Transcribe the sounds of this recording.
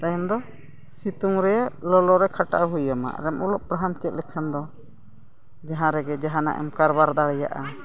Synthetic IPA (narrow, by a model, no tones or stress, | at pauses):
t̪ajɔmd̪ɔ | sit̪uŋɾɛʔlɔlɔɾɛkʰaʈa̰ʔɦujama̰ɾɛmʔulɔʔpɾaɦamt͡ʃɛt̪̚ˀlɛkʰand̪ɔ | d͡ʒaɦãɾɛɡɛd͡ʒaɦãna̰ʔɛ̰mkaɾbaɾd̪aɽɛja̰ʔa